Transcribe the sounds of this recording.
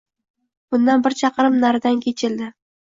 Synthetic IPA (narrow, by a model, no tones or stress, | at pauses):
b̥ʊnd̪anbɪɾt͡ʃʰɑqʰɨɾɪmnaɾɪd̪ankʲʰe̞t͡ʃʰɪld̪ɪ